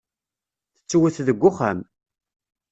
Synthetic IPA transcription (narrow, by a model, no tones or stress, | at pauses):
θə̥t͡sːwəθðəɡʷːʊχæm